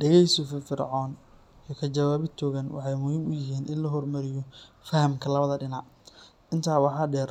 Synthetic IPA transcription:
ɖɛɣɛjsɔfɪfɪrʕɔːn | iːkʰɐt͡ʃɐwaːβɪt̪ʰɔːɣɐnwɑ̰ħɑjmʊhiːmʊjɪɦiːnʔɪnlɐɦɔrmɐɾɪjɔ | fɐhɐmkʰɐlɐβɐðɐɖɪnɑʕ | ʔɪnt̪ʰaːwɑħɑːɖɛːr

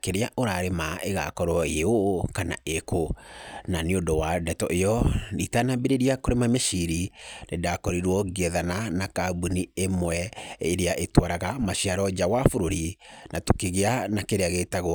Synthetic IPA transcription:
keɾeaʔoɾaɾemaeɣa̰kɔɾwɔeokana̰ekonaneondɔwadɛtɔʔejɔɾitanambeɾeɾiakoɾemameʃiɾinedakɔɾiɾwɔɣɛðananakabuniemwɛeɾeaʔetwaɾaɣamaʃiaɾɔd͡ʒawafoɾoɾinatokeɣeanakeɾeaɣetaɣw

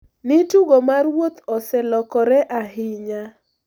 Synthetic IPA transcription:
nɪtuɡomarwot̪ɔsɛlɔkɔɾɛʔaɦɪɲa

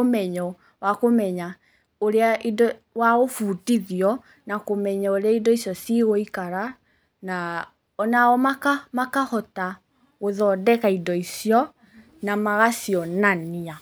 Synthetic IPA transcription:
omɛɲɔ | wakomɛɲa | oɾeaʔidɔ | waɣofutiðiɔ | nakomɛɲaoɾeaidɔisiɔsiɣoikaɾa | na | ɔnaɔmakamakahɔta | ɣoðɔːdɛkaidɔisiɔ | namaɣasijɔnania

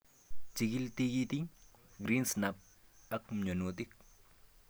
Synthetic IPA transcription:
t͡ʃiɡilt̪iɡit̪i | ɡɾinsnap̚ | ɐkmɲonot̪ik̚

